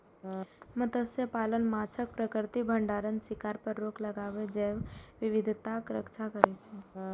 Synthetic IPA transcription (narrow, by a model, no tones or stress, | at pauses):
mət̪əsjəpalənmat͡ʃʰək̚pɾəkəɾt̪ibʱəɳɖaɾənsɪkaɾpəɾːokləɡaʋed͡ʒeʋʋiʋid̪ʱt̪akɾə̰kt͡ʃʰakəɾet͡ʃʰe